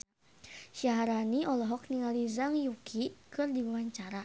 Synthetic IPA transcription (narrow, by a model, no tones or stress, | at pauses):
ʃaɦaɾaniʔɔlɔɦɔk̚niŋalizaŋjukʰikɨrdibuwaɲt͡ʃaɾa